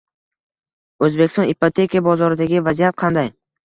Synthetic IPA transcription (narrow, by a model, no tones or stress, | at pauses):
ɵzbekʲɪst̪ɒnipʰot̪ʰe̞kʲʰijabɒzɒɾɪd̪aɡʲɪvazijat̪̚qʰɑnd̪aj